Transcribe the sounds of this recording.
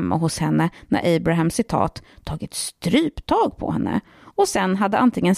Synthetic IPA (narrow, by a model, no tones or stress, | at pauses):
mːa̰ɦʊshɛnːənæ̰ɾʔɛjbɾaɦɛmsɪt̪ʰɑ̰ːt̪ʰːɑːɡɪt̪st̪ɾyːpt̪ʰɑːɡpʰɔ̰hɛnːə̰ | ɔsɛnːɦad̪ːəʔant̪ʰɪŋːən